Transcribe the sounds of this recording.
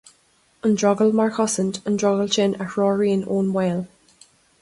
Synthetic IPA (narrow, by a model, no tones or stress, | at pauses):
ə̃ndɹɔɡəlˠmaɹkʰɔsə̃ndə̃ndɹɔɡəlˠt͡ʃɪ̃nʔəkɹɔːɹĩnõːnweːlˠ